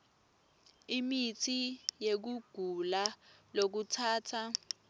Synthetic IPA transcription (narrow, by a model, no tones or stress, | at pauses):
imitʰijek̬uɡ̥ʱulalok̬utʰaːtʰa